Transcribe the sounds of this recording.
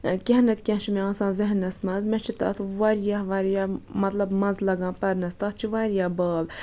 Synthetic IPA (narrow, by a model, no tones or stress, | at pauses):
kʲeɦnɐt̪kʲɛ̃nt͡ʃʰimeãːnsãːnzɪɦnɐsmɐzmẽt͡ʃʰit̪ɐ̰ːt̪ʰʋaɾjaɦʋaːɾjaːmɐt̪lɐbmɐnzlɐɡãːpɐɾnɐst̪ɐt̪̚ʰt͡ʃʰiʋaːɾjaːbaːb